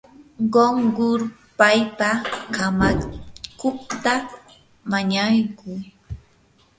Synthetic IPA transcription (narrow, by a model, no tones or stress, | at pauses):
ɢoŋɢʊɾ | pajpakamakʊχt̪a | maɲajkʊj